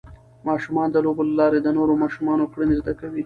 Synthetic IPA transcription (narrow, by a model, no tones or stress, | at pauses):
mɑʃumɑnd̪əlobolalɑɾed̪ənoɾomɑʃumɑnokɽənɪzd̪akawi